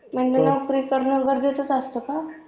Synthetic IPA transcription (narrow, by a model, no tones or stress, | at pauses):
m̤əɳd͡ʑenəwkɾikəɾnəɡəɾd͡z̪et̪ət͡sast̪oka